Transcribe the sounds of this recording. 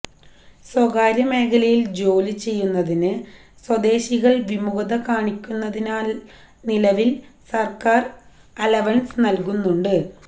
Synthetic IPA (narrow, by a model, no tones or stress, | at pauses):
swɐɣaːɾɐme̞ːkʰɐlɐjild͡ʑo̞ːlit͡ɕe̞jːunːɐðinɨ | swɐd̪e̞ːɕiɣɐɭʋimuɣɐðɐkaːɳikʲːunːɐðinaːl | nilɐʋilsɐrkaːr | ɐlɐʋɐnsnɐlkunːuɳɖɨ